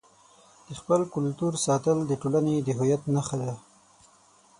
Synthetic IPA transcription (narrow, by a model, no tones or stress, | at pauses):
d̪̥əxpəlkʊlt̪uɾsɑt̪əld̪əʈolaned̪əɦʊjat̪naxad̪a